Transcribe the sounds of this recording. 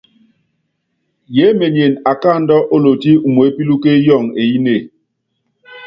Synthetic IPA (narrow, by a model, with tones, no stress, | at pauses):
je˨˦me˨ɲje˨na˨ka˦˨n̩˦dɔ˦ʔo˦lo˨ti˦u˨mo˨e˦pi˦lu˦ke˦jɔ˦˨ŋe˨ji˦ne˦˨